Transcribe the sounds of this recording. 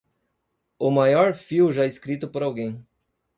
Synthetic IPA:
ʊmajɔɾfiwʒaeskɾit̪ʊpoɾawɡẽj̃

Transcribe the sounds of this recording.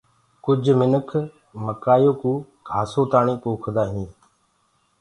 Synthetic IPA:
kʊd͡ʒʱmɪnəkʰ | məkaːjoːkũː | kʰaːsoːt̪aːɳĩːkoːkʰd̪aːɦĩː

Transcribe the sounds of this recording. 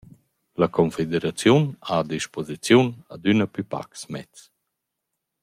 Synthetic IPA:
lakʰɔnfed̪eɾat͡sjunaːd̪iʃpozit͡sjunad̪ynəpypa̰ksmɛt͡s

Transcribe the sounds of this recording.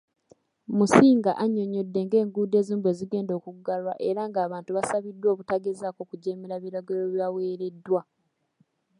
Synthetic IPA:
musiːŋɡaʔaɲo̞ɲo̞dːe̞ŋɡe̞ːŋɡuːde̞ːziːmbwe̞ːziɡe̞ːndo̞ːkuɡːalwa̰ʔe̞ɾaŋɡaːβaːntuβasaβidːwo̞ːβutaɡe̞zaːko̞ːkuɟeːmiɾaβiɾaɡeloβjawe̞ːɾe̞dːwa

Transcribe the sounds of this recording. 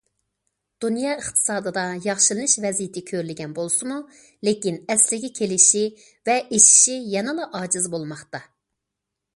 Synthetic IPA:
d̪̥unjɑːəχt̪ʰɨ̥sɑːd̪ɨd̪ɑjɑχʃɨlˠɨnɨʃvɛzijɪt̪ʰɪkʲʰøɾlɪɡʲɛnbolˠsɨmu | lekʲinɛslɪɡʲɛkʲʰelɪʃi | vɛʔeʃi̥ʃijɛnɨlˠɑʔɑːd͡ʒɨzbolˠmɑχt̪ɑ

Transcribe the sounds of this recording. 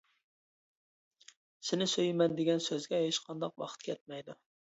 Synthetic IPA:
sɪnɪsøjmɛnd̪eɡʲɛnsøzɡʲɛheʃqʰɑnd̪ɑqwɑ̰χə̥t̪̚kʲʰɛt̪̚mɛjd̪u

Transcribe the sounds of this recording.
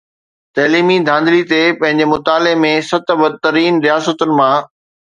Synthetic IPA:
t̪ɐːliːmid̪ʱãːnd̪lit̪epɐ̃ɦɪ̃ɲd͡ʑemʊt̪aːlemẽsɐt̪bɐd̪̚t̪ɐɾiːnɾijaːsət̪ʊnɪ̆mãː

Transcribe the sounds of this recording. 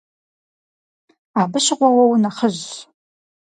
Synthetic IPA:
aːbɨʃɪʁʷɔwɐwnɐχəʑ

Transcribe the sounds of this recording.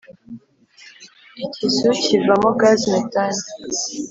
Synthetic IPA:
icʰisucʰivamoɡazmetani

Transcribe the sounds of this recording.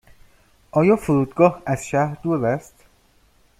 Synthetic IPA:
ʔɒːjɒːfuɾuːd̪ɡɒːhæz̥ʃæhɾd̪uːevæst̪

